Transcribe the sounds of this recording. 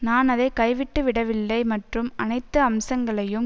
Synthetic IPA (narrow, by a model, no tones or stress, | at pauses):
naːnɐðɐɪkɐɪʋɪʈːɯʋɪɽɐʋɪlːɐɪmɐʈrɯmɐnɐɪt̪ːɯɐmsɐŋɡɐɭɐjɯm